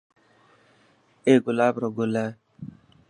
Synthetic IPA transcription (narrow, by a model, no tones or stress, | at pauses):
eɡʊlabɾɔɡola